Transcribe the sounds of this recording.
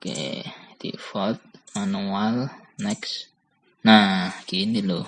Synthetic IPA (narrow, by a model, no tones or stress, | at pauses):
kḛt̪ḭʔfɔt̪̚anualnɛks | nãkind̪ilo